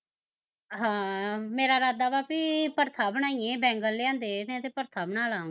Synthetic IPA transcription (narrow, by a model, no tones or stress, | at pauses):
ɦãːmeːɾaːɾaːd̪aːbaːpiːpəɾt̪ʰaːbəɳaːĩẽːbɛ̃ːŋɡəlːeãːnd̪eːnẽːt̪ʰeːpəɾt̪ʰaːbənaːlãː